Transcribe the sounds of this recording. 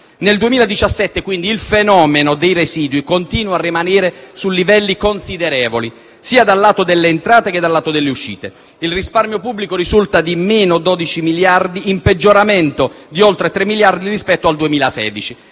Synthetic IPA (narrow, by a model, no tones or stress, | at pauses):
neld̪uemiːlad̪it͡ʃasːɛt̪ːekwind̪iːlfenɔːmenod̪ejresiːd̪wikont̪iːnwarːimanɛːɾesulːivɛlːikonsid̪eɾɛːvoli | siːad̪alːaːt̪od̪elːeːnt̪ɾaːt̪eked̪ːalːaːt̪od̪elːeuʃːḭːt̪e | ilrisparmjopubːlikoɾizult̪ad̪imeːnod̪ɔːd̪it͡ʃimiljard̪iːmped͡ʒːoɾamɛnt̪od̪iolt̪ɾet̪ɾemːiljard̪iɾispɛt̪ːoald̪uemiːlasɛ̰ːd̪it͡ʃi